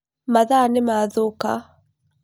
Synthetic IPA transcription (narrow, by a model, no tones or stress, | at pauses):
maðanemaðoka